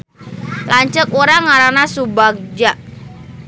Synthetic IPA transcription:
laɲt͡ʃək̚uɾaŋaɾanasubak̚d͡ʒaʔ

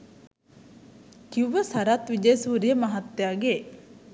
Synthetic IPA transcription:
kiwʋːəsɐɾat̪ʋid͡ʒeːsuɾiəmɐɦɐt̪ːejaːɡe

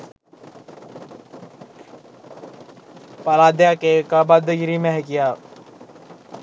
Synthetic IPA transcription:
palad̪jakekabad̪əɡɾimɛɦkijaː

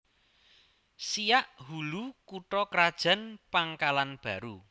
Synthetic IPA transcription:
sijaʔhulukuʈɔkɾad̥ʒ̥a̤npaŋkalanb̥ä̤ɾu

